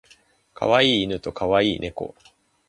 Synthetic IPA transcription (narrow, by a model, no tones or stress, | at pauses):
kʰa̰βaiːnɯ̟t̪o̞kʰaβaiːne̞ko̞̰